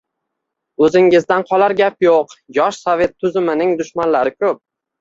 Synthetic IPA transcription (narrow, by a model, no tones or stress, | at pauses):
ɵzɪŋɪzd̪anqʰɒlaɾɡʲapjoqjɒʃsɒve̞t̪ʰːʊzɪmɪnɪŋd̪ʊʃmanlaɾɪkʰɵp̚